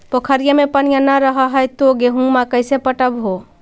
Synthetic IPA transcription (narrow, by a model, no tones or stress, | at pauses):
pəkʰəɾijəmepənijanaɾəɦəɦəjt̪oɡeɦũmakəsepəʈəbɦo